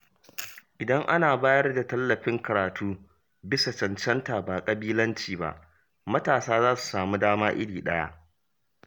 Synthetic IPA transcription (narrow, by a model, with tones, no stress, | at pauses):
ʔɪ˨dɐ˦ŋʔa˦naː˨baː˦jɐ˦rda˨tɐ˦lːɐ˨ɸɪ˦ŋkɐ˨ɾaː˨tʰuː˦ | bɪ˦sa˨t͡ʃɐ˨nt͡ʃɐ˦nta˨baː˨kʼɐ˨biː˦lɐ˦nt͡ʃiː˨ba̰˦ʔ | mɐ˦taː˨saː˦zaː˦su̥˨saː˨mu˦daː˦maː˦ʔɪ̰˦ɽiː˨ɗɐ˦ja̰˦ʔ